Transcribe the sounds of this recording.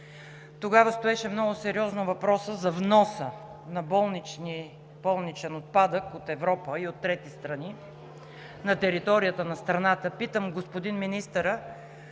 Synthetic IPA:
t̪oɡavəst̪oɛʃɛmnɔɡʊsɛɾiɔznovɐpɾɔsəzɐvnɔsə | nɐbɔlˠnit͡ʃni | bɔlˠnit͡ʃɛnot̪̚pad̪əkot̪ɛvɾɔpəiot̪ːɾɛt̪ist̪ɾɐni | nɐt̪ɛɾit̪ɔɾijət̪ənɐst̪ɾɐnat̪əpit̪əmɡospod̪inminist̪əɾə

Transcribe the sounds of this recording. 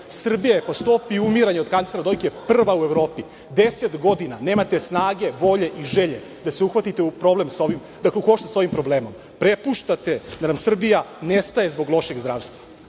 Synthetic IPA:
sr̩bijaepost̪opiumiɾaɲeo̞d̪kant̪sle̞ɾad̪o̞jkeprr̩ʋaueʋɾo̞ːpi | d̪eset̪ɡo̞d̪inaneːmat̪e̞snaːɡe̞ʋo̞ʎe̞ʔiʒeʎe | d̪aseuxʋat̪it̪eupɾo̞ble̞mso̞ʋim | d̪akleuko̞ʃt̪aso̞ʋimpɾo̞bleːmo̞m | pɾepuʃt̪at̪ed̪anamsr̩bijanest̪aje̞zbo̞ɡlˠo̞ʃe̞ɡzd̪ɾaːʋst̪ʋa

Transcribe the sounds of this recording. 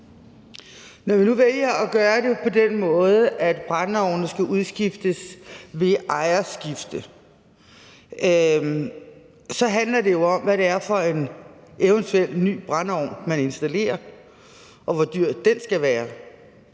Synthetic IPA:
nɒʋinuʋel̰jɐɒɡ̥ɶːɐde̝pʰɒ̽denmɔ̽ːð̞ˠəʔæd̥b̥ʁɑnɒʊ̰nəsɡ̥æʔuðˠsɡ̥ifd̥əsʋe̝ʔɑ̈ɪɐsɡ̥ifd̥ə | sɒ̽ɦænlɐde̝jo̝ɒ̽mʋæɾe̝æɐfɒ̽e̝nʔeʊənt͡sʰuel̰ny̰ːb̥ʁɑnɒʊ̰nmæne̝nsd̥æle̝̰ːɐ | ʔɒ̽ʋɒd̥yɐ̰d̥ːensɡ̥æʋæːɐ

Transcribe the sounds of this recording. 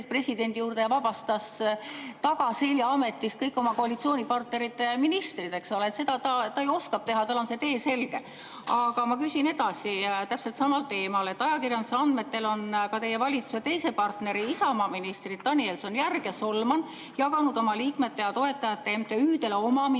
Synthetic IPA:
pre̞sʲid̪̥e̞nd̪̥ijuːrd̪ejɑvɑbɑst̪ɑs | t̪ɑɡ̥ɑselʲjɑɑme̞t̪ːˑist̪̚kɤjkːˑo̞mɑko̞ɑlit̪sioːnʲipɑrt̪ne̞ɾit̪ːˑeminist̪rid̪e̞kso̞leːt̪se̞d̪ɑt̪ɑt̪ɑejo̞skɑp̚t̪e̞ɦɑt̪ɑlo̞nse̞t̪e̞ːse̞lɡ̥e̞ | ɑɡɑmɑkysʲine̞d̪ɑsit̪æpselt̪sɑmɑlt̪e̞ːmɑle̞t̪ːˑɑjɑkirjɑnd̪u̥seɑnd̪me̞t̪ːe̞lo̞nkɑt̪e̞je̞vɑlʲit̪su̥se̞t̪e̞jse̞pɑrt̪ne̞ɾiisɑomɑminist̪rid̪̥̚t̪ɑnielso̞njærɡ̥e̞solmɑn | jɑɡɑnud̪o̞mɑliːkme̞t̪ːe̞jɑt̪o̞e̞t̪ːˑɑjɑt̪ːˑemt̪ːeyːd̪e̞leo̞mɑm

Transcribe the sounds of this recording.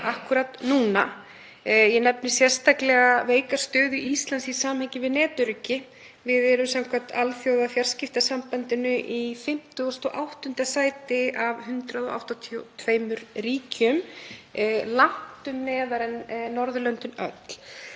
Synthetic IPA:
ahkʏɾat̪nuːna̰ | jɛnɛpnɪ̥sjɛr̥st̪aklɛɣaveːjkast̪œːðʏist̪lansisaːmhɛɲcɪvɪðnɛːt̪ʏɾʏcːɪ | vɪðɛɾʏmsamkʰvat̪alθjowðafjar̥scɪft̪asampant̪ɪnʏʔifɪm̥t̪ʏɔst̪ɔʔawht̪ʏnt̪asaːjt̪ɪavhʏnt̪ɾaðɔ̰ʔa̰wht̪at̪ʰiut̪ʰveːjmʏɾriːcʏm | lan̥t̪ʏmnɛːðaɾɛnnɔɾðʏlœnt̪ʏnœ̰t̪l̥

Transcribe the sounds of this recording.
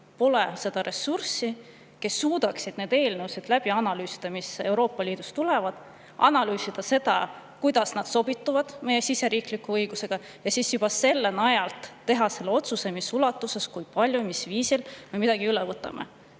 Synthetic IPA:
po̞le̞se̞d̪ɑɾe̞sːursi | ke̞sːuːd̪̥ɑksid̪̥neːd̪e̞ːlnəwsid̪læb̥iɑnɑlyːsi̥d̪̥ɑmise̞wɾo̞ːpːˑɑliːd̪̥ust̪ule̞vɑd̪̥ | ɑ̰nɑlyːsid̪̥ɑse̞d̪̥ɑ | kujd̪̥ɑsnɑd̪̥so̞b̥it̪ːˑuvɑd̪̥me̞je̞sise̞ɾiːklikːuɤjɡ̥use̞ɡ̥ɑ | jɑsiːsjub̥ɑse̞lːe̞nɑjɑlt̪ˑt̪ːe̞ɦɑse̞lːeo̞t̪suse̞misulɑt̪ːˑuse̞skujpɑlʲjumisviːsilme̞mid̪̥ɑɡ̥iylɛvɤt̪ːˑɑ̰mʔḛ

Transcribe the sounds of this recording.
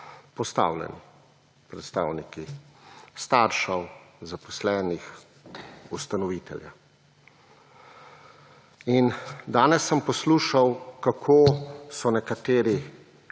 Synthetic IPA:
pɔst̪a̰wlɛ̰ni | pɾɛt̪st̪a̰ːwniki | st̪aːɾʃawzapɔ̥slɛːnix | ust̪anɔʋiːt̪ɛ̰lja̰ | ind̪aːnɛsːəmpɔsluːʃawkakʰoːsɔnɛkat̪eːɾi

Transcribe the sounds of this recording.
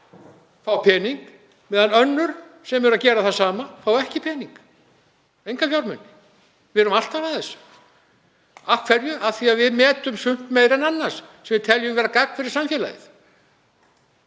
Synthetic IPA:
faːwpʰɛːniŋk | mɛːðanœnːʏɾ̥sɛmɛɾacɛːɾaθasaːmafawɛhcɪpʰɛːniŋk | ejŋkafjawɾmʏnːɪ̥ | vɪɾʏmal̥t̪avaðɛs | afkʰvɛɾjʏaðθiaðvɪðmɛːt̪ʏmsʏm̥t̪mejɾɛnanːassɛmvɪt̪ʰɛljʏmvɛːɾakak̚nfɪɾɪɾ̥samfjɛːla̰ðɪ̰θ

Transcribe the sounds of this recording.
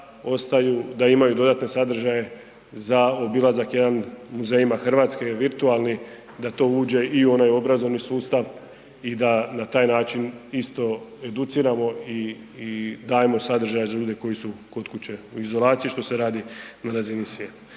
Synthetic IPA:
o̞st̪ajud̪aimajud̪o̞d̪at̪ne̞sad̪r̩ʒaje̞ | zao̞bilˠazakje̞d̪anmuze̞ːjimaxr̩ʋaːt̪skeʋiɾt̪uaːlˠni | d̪at̪o̞ːuːd͡ʑe̞iuo̞najo̞bɾazo̞ʋnisuːst̪aʋ | id̪anat̪aːjnaːt͡ʃinist̪o̞e̞d̪ut̪siːɾamo̞i | d̪aːjemo̞sad̪r̩ʒajezaʎuːd̪e̞ko̞jisuko̞t̪kut͡ɕe̞uizo̞lˠaːt̪sijiʃt̪o̞se̞ɾaːd̪inaɾazinisʋʲje̞ːt̪ḁ

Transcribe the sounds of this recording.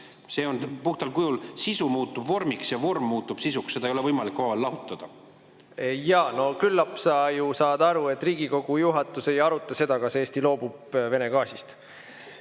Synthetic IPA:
se̞ːonpuht̪ɑlkujulsisumuːt̪ːˑubvo̞rmiksjɑvo̞rmːuːt̪ːˑub̥sisuksːeɑejoevɤjmɑlikːvɑelːɑɦut̪ːˑɑd̪̥ɑ | jɑːno̞kylːɑpsɑjusɑːd̪̥ɑɾue̞t̪ːˑriːɡ̥iko̞ɡ̥ujuɦɑt̪ːˑuse̞jɑɾut̪ːˑɑse̞d̪̥ɑkɑseːst̪ilo̞ːb̥ub̥ve̞ne̞ɡ̥ɑːsist̪

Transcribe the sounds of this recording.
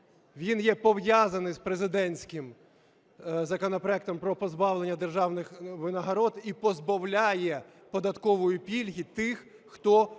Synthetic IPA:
ʋʲinjɛpɔwjazɐnɪjspɾezɪd̪ɛnʲsʲkɪm | zɐkɔnɔpɾɔɛk̚t̪ɔmpɾɔpɔzbɑʋlˠenʲːɐd̪erʒɑwnɪxʋɪnɐɦɐɾɔd̪ipɔzbɐwlʲajɛ | pɔd̪ɐt̪kɔʋʊjʊpʲilʲɦʲit̪ɪxː | t̪ɔ

